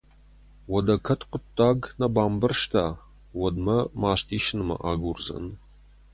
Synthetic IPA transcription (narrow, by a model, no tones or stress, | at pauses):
wɔdɐkʰɐtqʷʊtːaːɡnɐbaːmbɨrʃtʰaː | wɔdmɐmaːʃtʰiːʃɪnɨmɐ̰ʔaːɡurzɐ̰n